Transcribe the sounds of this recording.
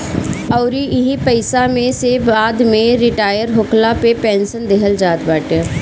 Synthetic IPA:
əʊɾiɪɦipəɪsamẽsebaːd̪mẽɾɪʈaːjəɾɦʊkʰlapepɛːnsənd̪eɦəld͡ʒaːt̪bəʈ

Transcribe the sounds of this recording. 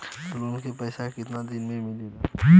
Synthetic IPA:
lonkepəɪsakɪt̪nad̪inmemɪlil

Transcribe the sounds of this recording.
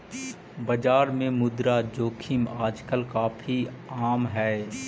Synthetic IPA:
bɐd͡ʒaːɾmẽmʊd̪ɾad͡ʒoːkʰɪmaːd͡ʒkəlkaːfʰi | aːmɦɛː

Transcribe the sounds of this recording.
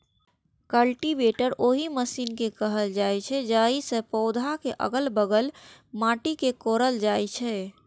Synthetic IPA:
kəlʈibeʈəɾʔoɦiməsiːnkekəɦəld͡ʒajt͡ʃʰɛd͡ʒaisə̃pəʊd̪ʱakeʔə̰ɡəlbəɡəlmaʈikekoɾəld͡ʒajt͡ʃʰɛ

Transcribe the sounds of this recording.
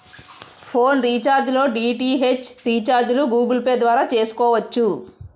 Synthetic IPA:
pʰoːnɾiːt͡ʃaːɾd͡ʒlo̞ːɖiːʈiːɦe̞t͡ʃɾiːt͡ʃaːɾd͡ʒluɡuːɡilpeːd̪ʋaːɾaːt͡ʃe̞ːsu̥kɔːʋɐt͡ʃːu

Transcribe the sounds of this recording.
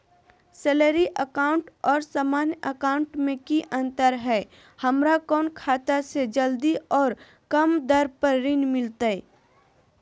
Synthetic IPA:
sɛləɾiʔəkaːʊ̃ɳʈɔːɾsaːmaːnjəkaːʊ̃ɳʈmẽkiʔə̃nt̪əɾɦɛː | hɐmɾakɔːnkʰaːt̪ased͡ʒəld̪iʔɔːɾ | kɐmd̪əɾpəɾɾɪnmɪlt̪aɛ

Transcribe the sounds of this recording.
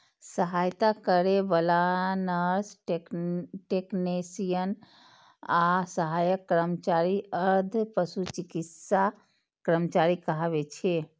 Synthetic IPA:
səɦajt̪akəɾebəlanəɾsʈeʈeknesijən | asəɦajəkːɾəmt͡ʃaɾiəɾd̪ʱpəsut͡ʃikit̪sa | kɾəmt͡ʃaɾikəɦaβet͡ʃʰe

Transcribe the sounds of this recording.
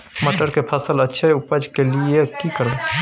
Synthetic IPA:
məʈəɾkepʰəsələtːʃʰeʊpəd͡ʒʱkeliekikəɾə

